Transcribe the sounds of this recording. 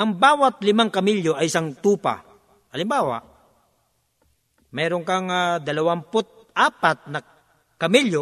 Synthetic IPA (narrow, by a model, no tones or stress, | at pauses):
ʔɐŋbaːwɐt̪̚lɪmaŋkɐmɪljoʔɐjsaŋt̪uːpa̰ | ʔɐlɪmbaːwa̰ | mɛːɾoŋkɐŋad̪ɐlɐwampʊt̪̚ʔaːpat̪̚nɐ | kɐmiljo